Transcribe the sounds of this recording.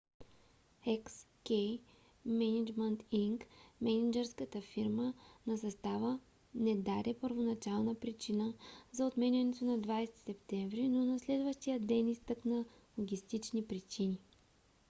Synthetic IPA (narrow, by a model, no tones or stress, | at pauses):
ɛks | kɛj | mɛnid͡ʒmɛnt̪iŋkmɛnid͡ʒɛɾskət̪əfiɾmənɐsɐst̪avə | nɛd̪aɾɛpəɾvonɐt͡ʃalˠnəpɾit͡ʃinəzɐot̪mɛnʲɐnɛt̪onɐd̪vajst̪i̥sɛpt̪ɛɱvɾinonɐslɛd̪vəʃt̪ijəd̪ɛnist̪əknə | lˠoɡʲist̪it͡ʃnipɾit͡ʃini